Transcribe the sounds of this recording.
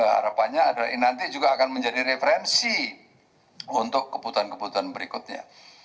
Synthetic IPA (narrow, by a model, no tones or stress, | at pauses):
əɦa̰ɾapanɲaːdainant̪id͡ʒuɡaːkanməɲd͡ʒadiɾefəɾɛnsi | unt̪ʊkːəbut̪uankəbut̪uanbəɾikʊt̪̚ɲa̰